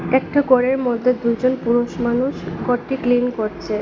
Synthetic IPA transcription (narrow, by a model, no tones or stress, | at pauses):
ɛk̚ʈaɡɔɽeɾmod̪ʱːed̪ujd͡ʑonpuɾoʃmanuʃɡɔɾʈːiklinkoɾt͡ɕʰe